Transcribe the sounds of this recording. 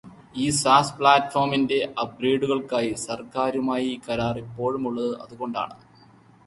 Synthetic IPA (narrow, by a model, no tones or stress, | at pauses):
iːsaːspɭaːtfo̞ːrminde̞ʔɐbreːɖuɣɐɭkaːjisɐrkaːɾumaːjikɐɾaːripːo̞ːɻumuɭːɐðɨʔɐ̰ðuɣo̞ɳɖa̰ːɳɨ